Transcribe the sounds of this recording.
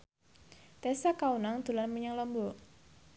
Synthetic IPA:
t̪ɛsakaunaŋd̪̥ṳlanməɲaŋlɔmbɔ

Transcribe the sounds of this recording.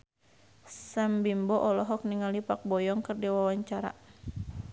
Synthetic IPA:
sambimbɔʔɔlɔɦɔk̚niŋalipak̚bɔjɔŋkɨrdiwawaɲt͡ʃaɾa̰

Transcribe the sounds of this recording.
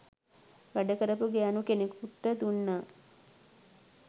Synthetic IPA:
ʋæɖəkəɾəpuɡeanukenekuʈːəd̪unːa

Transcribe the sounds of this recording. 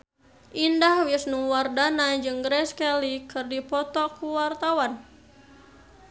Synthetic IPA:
ʔindahwisnuŋwardanad͡ʒɨŋɡɾɛskɛlikɨrdipɔt̪ɔkuwart̪awan

